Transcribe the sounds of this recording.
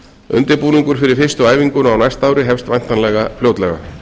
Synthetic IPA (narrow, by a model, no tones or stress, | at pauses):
ʏ̰nt̪ɪɾpuːniŋkʏɾ̥fɪɾɪɾ̥fɪrst̪ʏaːjviŋkʏnawnajst̪aːwɾɪɦɛfst̪vajn̥t̪anlɛɣafljoːwt̪lɛɣa̰